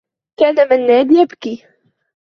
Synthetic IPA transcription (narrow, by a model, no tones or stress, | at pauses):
kaːnamɪnːaːd̪jabki